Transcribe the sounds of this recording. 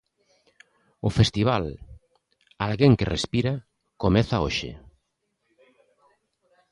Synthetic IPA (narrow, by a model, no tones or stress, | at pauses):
ʊfest̪iβ̞al | alɣeŋkerespiɾa | komeθaoʃɪ̰